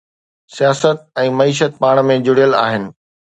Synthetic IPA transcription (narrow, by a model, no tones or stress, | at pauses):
sijaːsət̪̚ɛ̃ːmɐiːʃət̪̚paːɽ̃mẽd͡ʑʊɽijəla̰ːɦɪnɪ̆